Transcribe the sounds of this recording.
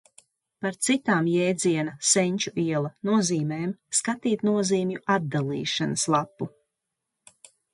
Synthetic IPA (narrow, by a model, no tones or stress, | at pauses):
paɾt̪sit̪aːmjɛːd̪ziɛnɐsɛɲʲt͡ʃuʔiɛlˠɐnuɔziːmɛːmskat̪iːt̪nuɔziːmjuad̪̚d̪alˠḭːʃanəslˠapːu